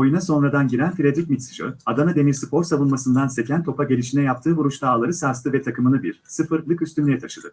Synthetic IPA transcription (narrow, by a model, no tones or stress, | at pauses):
o̞junaso̞nɾad̪anɟiɾænfiɾʲad̪ɾicʲmit̪si̥d͡ʒø̰ad̪anad̪e̞miɾsɯpʰo̞ɾsavunmasɯnd̪anse̞cʰænt̪ʰo̞paɟe̞lʲiʃinɛjap̚t̪ʰɯːvuɾuʃt̪aːlˠaɾɯsaɾst̪ɯvɛt̪ʰakɯmɯnɯbiɾsɯfɯɾlˠɯkyst̪ynlʲejɛt̪ʰaʃɯd̪ɯ